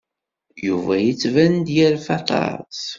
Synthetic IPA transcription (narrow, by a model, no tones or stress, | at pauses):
juvæjət͡sːvænd̪jælfɑt̪ɑ̰ɾɾˤt͡s